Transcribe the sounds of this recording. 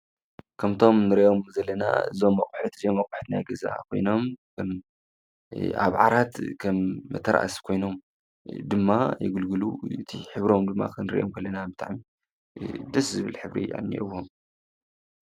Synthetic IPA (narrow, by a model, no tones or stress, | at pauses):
kʰɐmt̪ʰo̞mnɨɾiʔo̞mzɐlːɐna̰ɨ̰zo̞mːɐkʼuħɨt̪ɨzomːɐkʼʊ̥ħɨ̥t̪na̰jɡɐza̰kʰo̞jno̞mkʰɐm | ʔa̰βʕaɾat̪kʰɐmːɐ̰t̪ʰːɐɾʔa̰ʔskʰo̞jno̞m | d̪ɨmːajɪ̰ɡɨlɡɨlṵɨt̪ʰiħɨβɾo̞md̪ɨmːa̰kʰɨnɨɾḭʔomkʰɐlːɐnabɨt̪ʰʼa̰ʕmi | d̪ɐszɨβɨlħɨβɾḭa̰nːḭʔɨwom